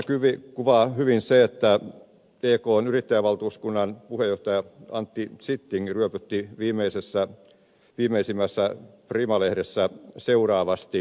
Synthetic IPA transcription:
kyʋikuʋɑhyʋinseet̪ːæ | eːkoːnyrit̪ːæjæʋʋɑlt̪uːskunːɑnpuhejoht̪ɑjɑɑ̰nt̪ːisit̪ːiŋryøpyt̪ːiʋiːmeisesːæ | ʋiːmeisimːæsːæprimɑlehɾesːæseurɑːʋɑst̪i

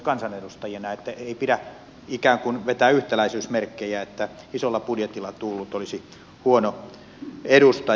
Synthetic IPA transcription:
kɑnsɑnedust̪ɑjenɑet̪ːæeipidæ | ikæːŋkunʋet̪æːyht̪ælæisyːsmerkːejæet̪ːæ | isolːɑpudjet̪ilːˑɑt̪ulːut̪olisi | huono | eɾust̪ɑ

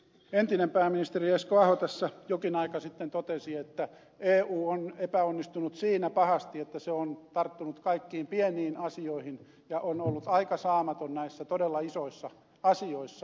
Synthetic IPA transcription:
ent̪inempæːmːinist̪erieskoɑhot̪æsːæjokinɑikɑsit̪ːent̪ot̪esiet̪ːæ | eːuːonepæonːist̪unut̪siːnæpɑhɑst̪iet̪ːæseont̪ɑrt̪ːunut̪kɑikːiːmpieniːnɑsioihin | jɑʔonolːut̪ɑikɑsɑːmɑt̪onnæisːæt̪odelːɑisoisːɑ | ɑsioisːɑ

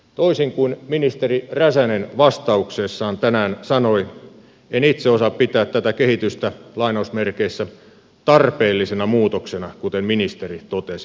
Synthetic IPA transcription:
t̪oisiŋkuinminist̪eriræsænenʋɑst̪ɑuksesːɑːnt̪ænæːnsɑnoi | enit̪seosɑppit̪æːt̪t̪æt̪ækehit̪yst̪ælɑinɑusmerkeisːæ | t̪ɑrpeːlːisenɑmuːt̪oksenɑkut̪emminist̪erit̪ot̪esi̥

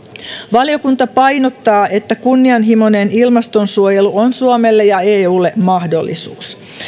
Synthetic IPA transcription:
ʋɑlijo̞kunt̪ɑpɑjno̞t̪ːɑːʔe̞t̪ːækunːiɑnɦimo̞nenilmɑst̪o̞nsuojeluonsuomelːejɑeːuːlːemɑhdo̞̰lːḭsṵːs

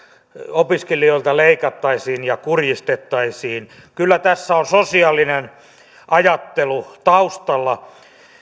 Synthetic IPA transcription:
opiskelioilt̪ɑleikɑt̪ːɑisiːnjɑkurjist̪et̪ːɑisiːn | kylːæt̪æsːæonsosiɑlːinen | ʔɑjɑt̪ːelut̪ɑust̪ɑlːɑ

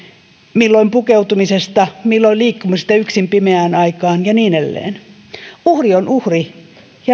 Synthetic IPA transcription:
milːoimpukeut̪umisest̪ɑmilːolʲliːkːumust̪æyksimpimeæːnɑikɑːnjɑniːnelːḛːn | uhrionʔuhri | jɑ

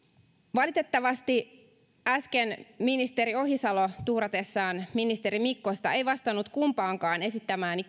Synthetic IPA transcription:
ʋɑlit̪e̞t̪ːɑʋɑst̪i | æskenminist̪e̞ɾio̞ɦisɑlo̞t̪uːɾɑt̪e̞sːɑːnminist̪e̞ɾimikːo̞st̪ɑejʋɑst̪ɑnːut̪kumpɑːŋkɑːne̞sit̪ːæmæːni

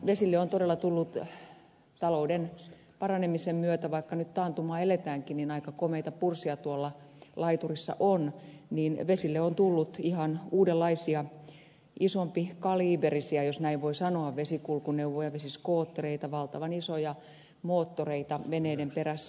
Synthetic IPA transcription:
ʋesilːeont̪odelːɑt̪ulːut̪ | t̪ɑlouden | pɑrɑnemisemmyøt̪æʋɑikːɑnyt̪t̪ɑːnt̪umɑːelet̪æːŋkininɑikɑkomeit̪ɑpursiɑt̪uolːɑlɑit̪urisːɑ̰ʔonniːnʋesilːeont̪ulːut̪ihɑnuːdelːɑisiɑ | isompikɑliːberisiɑjosnæiʋʋoisɑnoɑʋʋesikulkuneuwʋojɑʋesiskoːt̪ːoreit̪ɑʋɑlt̪ɑʋɑnisojɑ | moːt̪ːoreit̪ɑʋeneidemperæsː

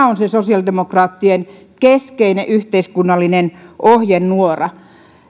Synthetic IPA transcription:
onsesosiɑldemokrɑːt̪ːien | keskeineʔyht̪eiskunːɑlːinenʔohjenːuorɑ

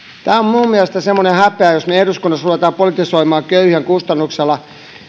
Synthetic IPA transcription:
t̪æːomminuːmmieælest̪æsemːonehæpeæjosmeehruskunːɑsruʋet̪ɑːpolit̪isoimɑːkøyhæŋkust̪ɑnːukselːˑɑ

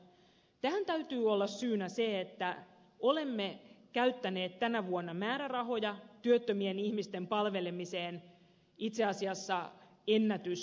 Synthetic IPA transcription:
t̪æænt̪æyt̪yːolːɑsːyːnæseet̪ːæ | o̞le̞mːe̞kæyt̪ːæne̞ːt̪t̪ænæʋuonːɑmæːɾærɑɦo̞jɑt̪yøt̪ːømienihmist̪empɑlʋe̞lemiseːn | it̪seɑsiɑsːɑ | enːæt̪ys

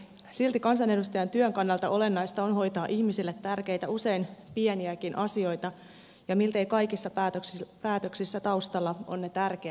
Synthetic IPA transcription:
silt̪ikɑnsɑne̞dust̪ɑjɑnt̪yøŋkɑnːɑlt̪ɑo̞le̞nːɑjst̪ɑonɦo̞jt̪ɑːʔiçmisilːet̪ːærke̞jt̪æuse̞inpieniækinʔɑsio̞jt̪ɑ | jɑmilt̪ejkɑjkisːɑt̪pæːt̪øksisːæt̪ɑust̪ɑlːɑʔo̰nːe̞t̪ærk̟eæ

